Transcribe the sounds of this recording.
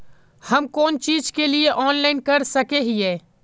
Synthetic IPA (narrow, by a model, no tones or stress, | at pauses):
hɐmkoːnt͡ʃiːd͡ʒkelieʔɔːnlaːɪnkɐɾsɐkeɦiɛː